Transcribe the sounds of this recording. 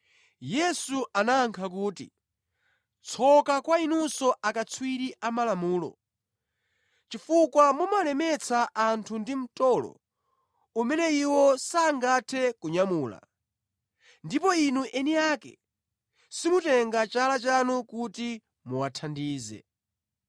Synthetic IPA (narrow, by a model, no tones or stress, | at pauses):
jɛsuʔanaːŋkʰak̬uːtḭ | t͡sʰɔkakwainusɔʔakat͡sʰwiɾiʔamalamuːlɔ̰ | t͡ʃifukwamumalɛmɛt͡sʰaʔːntʰundim̩tɔlɔ̰ | umɛnɛiwɔsaːŋɡatʰɛkuɲamuːla̰ | ndipɔinuʔɛnijakɛ̰ | simutɛŋɡat͡ʃalat͡ʃanukuti | muwatʰandiːzɛ̰